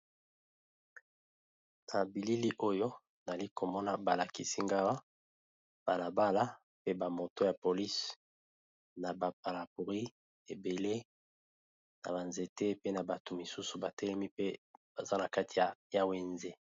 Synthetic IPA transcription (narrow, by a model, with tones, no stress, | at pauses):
na˨bi˨li˦li˦ʔo˦jo˦ | na˨li˦ko˨mɔ˦na˦ba˨la˨ki˨si˦ŋɡa˦wa˦ | b̥a˨la˨ba˦la˦ | pe˦ba˨mo˨to˦ja˨po˨li˦s | na˨ba˨p̚a˨la˨pu˨ʁi˦ | e˨be˨le˦ | na̰˨ba˨nze˨te˦pe˦na˨ba˨tu˨mi˨su˦su˨ba˨tɛ˦lɛ˦mi˦pe˦b̥a˨za˦na˨ka˦tʰi˨ja˨ja˦we˨nze˦